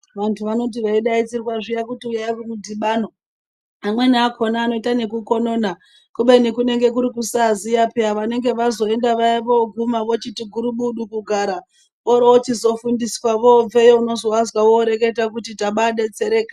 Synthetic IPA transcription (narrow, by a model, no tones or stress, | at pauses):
ʋantʰuʋano̞t̬iʋaiɗait͡sirwaʐijakutiujaikumudʱiɓaːno̞ | amwe̞naːkʰo̞naːno̞itane̞kuko̞no̞ːna | kuɓe̞nikune̞ŋɡe̞kuɾikusazijapiaʋane̞ŋɡe̞ʋazo̞e̞ndaʋaiʋoɡʱumaʋo̞t͡ʃitiɡʱuɾuɓuɗukuɡʱaɾa | oɾoot͡ʃizo̞fundiswaʋob͡ve̞jouno̞zo̞wazwawoɾe̞ke̞tak̬utitaɓaɗe̞t͡se̞ɾe̞ːka